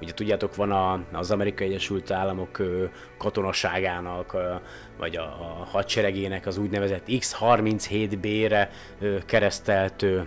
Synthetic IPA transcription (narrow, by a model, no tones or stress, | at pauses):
uɟɛt̪uɟːaːt̪o̞kʋɒnɒzɒmɛɾikɒjɛɟːɛʃylt̪aːlːɒmo̞køː | ɒt̪o̞nɒʃaːɡaːnɒk | vɒ̰ɟɒ̰hɒt̪t͡ʃɛɾɛɡeːnɛkɒzuːɟnɛvɛzɛt̪ːikshɒrmint̪sheːt̪beːɾɛ | økɛɾɛst̪ɛlt̪øː